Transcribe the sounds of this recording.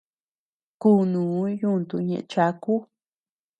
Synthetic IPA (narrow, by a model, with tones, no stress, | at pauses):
ku˦˨nũː˨˦ju˦˨nt̪u˧ɲḛ̃˧˨ʔt͡ʃa˧˦ku˦